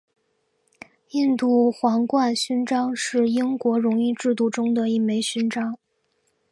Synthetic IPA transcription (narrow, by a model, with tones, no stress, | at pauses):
i˥˧nt̪u˥˩xwɑ˧˥ŋkwa˥˧nɕy˥nʈ͡ʂɑ˥ŋʂɻ̩˥˩i˥ŋkwɔ˧˥ɻʊ˧˥ŋi˥˧ʈ͡ʂɻ̩˥˧t̪̬u˥˩ʈ͡ʂʊ˥ŋd̪ə˨i˥˩me˧˥ɪɕy˥nʈ͡ʂɑ˥ŋ